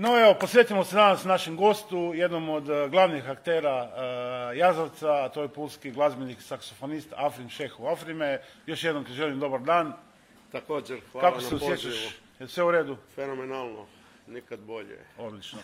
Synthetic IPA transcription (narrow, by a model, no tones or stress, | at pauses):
noeʋo̞po̞sɾʲje̞t̪imosed̪anasnaʃemɡo̞st̪uje̞d̪nomod̪ɡlˠaʋnixakt̪e̞ːɾa | jazaʋt̪sat̪ojepulskiɡlˠazbeniksaksofonist̪afɾimʃexuafɾimejo̞ʃjed̪nomkaʒelimd̪o̞baɾd̪aːn | t̪akoːd͡ʒeɾxʋakaoseusjet͡ʃaʃ | sʋeuɾeːd̪ufenomenalˠno̰ | nikad̪boʎḛo̞d̪lit͡ʃno